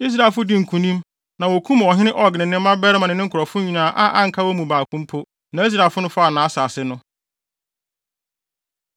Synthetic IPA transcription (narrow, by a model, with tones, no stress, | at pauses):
i˦s̬ɾa˨fʊ˦dɪ˦ŋ̩˨kʰũ˨nĩ˦m | nã˨wɔ˨kʰũ˦m˨ɔ˨ɦɪ̃˦nɪ̃˦ʔɔ˨ɡnɪ̃˨nɪ̃˦m˦mã˦bɛ˦ɾɛ˦mã˨nɪ̃˨nɪ̃˦ŋ̩˦kʰʊ˨ɾɔ˨fʊ̃˦ɲĩ˨nã˦˨ʔa˦ʔa˦ŋ̩˨kʰa˦wɔ˦mũ˨baː˨kʰʊ̃˦m˦pʰʊ˦ | nã˨i˦s̬ɾa˦˨fʊ˦nʊ̃˦fʊ˦a˨nãː˨˦saː˨sɪ˦nʊ̃˦